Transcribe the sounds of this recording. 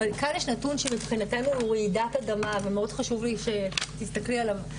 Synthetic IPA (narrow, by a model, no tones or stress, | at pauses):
alkanjeʃnatunʃemipχinatenuʁeidatadamavemeo̞dχaʃuvliʃe̞t̪ist̪aklialav